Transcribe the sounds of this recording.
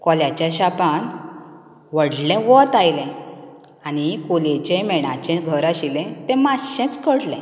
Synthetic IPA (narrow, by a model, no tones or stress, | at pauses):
kɔljat͡ɕjaɕapan | ʋəɽlɛ̃ʋɔt̪ajlɛ̃ | añikoled͡ʑɛ̃mɛɽ̃ãt͡ɕɛ̃ɡʱəɾaɕilɛ̃t̪ɛ̃maɕɛ̃t͡skəɽlɛ̰̃